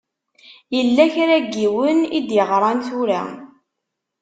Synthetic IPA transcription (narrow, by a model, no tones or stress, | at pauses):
jəlːæçɾæɡːiwənid̪jəʁɾˤɑnt̪uɾa̰